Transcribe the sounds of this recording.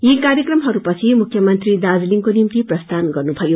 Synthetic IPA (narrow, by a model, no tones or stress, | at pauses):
jikarjʌkrʌmɦʌɾupʌt͡sʰimukʰjʌmʌnt̪rid̪ad͡zliŋkonimt̪iprʌst̪ʰanɡʌrnubʱʌjo